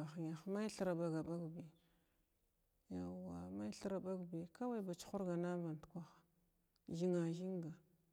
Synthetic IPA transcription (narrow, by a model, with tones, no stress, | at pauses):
a˨xɲa˨xma˦jɬa˨ɾa˨ba˨ɡa˨ba˦ɡbi˨ | ja˨wa˨ma˦jɬa˦ɾa˨ba˦ɡbi˨ka˦wa˦˨ba˨t͡ʃi̥˦xu˦ɾɡa˨na˦va˨n˨tkʷa˦xḁ˨ | ʒi˦ŋa˨ʒi˦ŋɡa˨